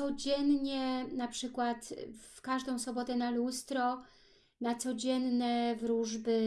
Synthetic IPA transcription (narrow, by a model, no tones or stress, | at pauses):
ɔd͡ʑɛnɲɛnapʂɘkwat̪fkaʐd̪ɔ̃w̃sɔbɔt̪ɛnalust̪ɾɔ | nat̪sɔd͡ʑɛnːɛvɾuʐbɘ